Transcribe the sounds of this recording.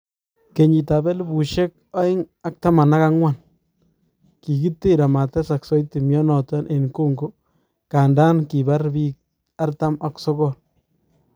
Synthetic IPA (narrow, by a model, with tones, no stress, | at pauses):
ke˨ɲi˨ta˨bɛ˦lbu˨ʃe˦k̚a˦ɪ˦ŋa˦k̚ta˦ma˨na˦ka˦ŋwa˦˨n | ki˨ki˦tːe˦ɾa˨ma˨tɛ˦sa˨ksɔ˦jti˨mjɔ˦nɔ˨tɔ˦nʔe˨nko˦ŋɡo˦ | ka˨nda˦nki˨ba˦ɾbi˦k̚ | a˦ɾta˦ma˨ksɔ˦ɡɔ˦˨n